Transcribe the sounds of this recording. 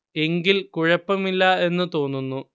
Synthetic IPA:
e̞ŋɡilkuɻɐpːɐmilːɐe̞nːɨt̪o̞ːnːunːu

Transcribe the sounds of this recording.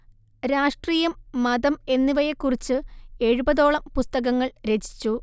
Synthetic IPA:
ɾaːʂʈriːjɐmːɐðɐme̞nːiʋɐjekːurit͡ɕːɨe̞ɻubɐðo̞ːɭɐmpust̪ɐɣɐŋːɐɭɾe̞d͡ʑi̥t͡ɕːu

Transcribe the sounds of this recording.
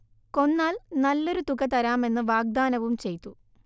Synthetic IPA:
ko̞nːaːlnɐlːo̞ɾut̪ukɐt̪ɐɾaːme̞nːɨʋaːɡ̚d̪aːnɐʋumt͡ɕe̞jt̪ːu

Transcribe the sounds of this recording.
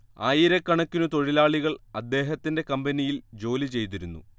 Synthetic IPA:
aːjiɾɐkːɐɳɐkʲːunut̪o̞ɻilaːɭiɣɐɭɐd̪ːe̞ːɦɐt̪ːinde̞kɐmbɐnijild͡ʑo̞ːlit͡ɕe̞jt̪̬iɾunːṵ

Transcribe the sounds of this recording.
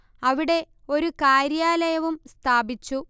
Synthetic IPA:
ɐʋiɽe̞ | o̞ɾukaːɾjaːlɐjɐʋumst̪ʰaːbit͡ɕːu

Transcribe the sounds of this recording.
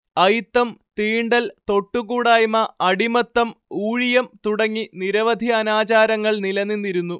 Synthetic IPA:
ɐjt̪ːɐmt̪iːɳɖɐlt̪o̞ʈːuɣuːɽaːjmɐʔɐɽimɐt̪ːɐmuːɻijɐmt̪uɽɐŋːiniɾɐʋɐd̪ʱiɐnaːt͡ɕaːɾɐŋːɐɭnilɐnːinːiɾunːu

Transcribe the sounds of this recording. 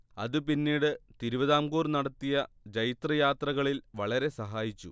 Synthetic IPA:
ɐðɨpinːiːɽɨt̪iɾubɐðaːmɡuːrnɐɽɐt̪ːijɐ | d͡ʑɐjt̪rɐjaːt̪rɐɣɐɭilʋɐɭɐɾe̞sɐɦaːjit͡ɕːṵ

